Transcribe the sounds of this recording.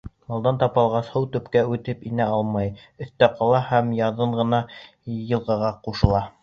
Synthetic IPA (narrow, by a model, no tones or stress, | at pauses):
mɑlˠd̪ɑnt̪ɑpɑlˠʁɑshɤwt̪ɵ̆pkæʉt̪ɘpinæɑlˠmɑj | ɵ̆θt̪æqɑlˠɑhæmjɑðɤɴʁɤ̆nɑ | jɤ̆lˠʁɑʁɑquʃɤ̆lˠɑ